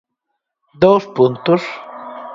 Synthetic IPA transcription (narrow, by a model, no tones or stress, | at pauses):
d̪owspunt̪ʊs